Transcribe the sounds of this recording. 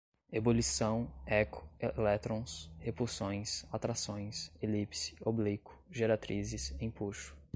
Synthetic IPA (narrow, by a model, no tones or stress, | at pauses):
ebolisɐ̃w̃ɛkʰʊ̥lɛt̪ɾõshepulsõj̃sat̪ɾasõj̃selipsɪ̥oblikʊ̥ʒeɾat̪ɾizɪsẽj̃puʃʊ̥